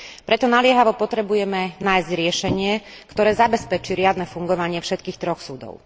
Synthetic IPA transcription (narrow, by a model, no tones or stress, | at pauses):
pɾɛt̪ɔnalɪɛɦaʋɔpɔt̪ɾɛbujɛmɛnaːjzɟɾɪɛʃɛɲɪɛ | kt̪ɔɾɛːzabɛspɛt͡ʃiɾɪad̪nɛfuŋɡɔʋaɲɪɛfʃɛt̪kiːxt̪ɾɔxsuːd̪ɔ̰ʊ